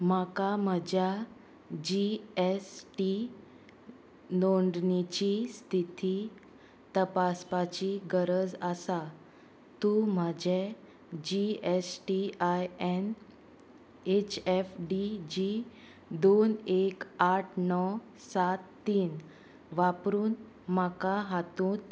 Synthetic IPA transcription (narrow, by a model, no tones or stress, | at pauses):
makaməd͡ʑja | d͡ʑiesʈi | noɳɖnit͡ɕist̪ʰit̪i | t̪əpaspat͡ɕiɡəɾəd͡zəsa | t̪ũm̤ad͡ʑʱe | d͡ʑiesʈiajen | et͡ɕefɖid͡ʑi | d̪onekaʈʰnɔ | sat̪ːiːn | ʋapɾuːn | makaɦat̪ũːt̪